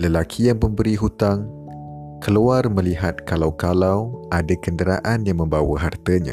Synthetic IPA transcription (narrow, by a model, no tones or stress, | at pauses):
ləlakʰijaŋpəmbəɾiɦut̪aŋ | kʰəluarmə̃liɦat̪̚kalawkalawʔadakəndəɾa̰ʔanjaŋmə̃mbawəɦart̪əɲã̰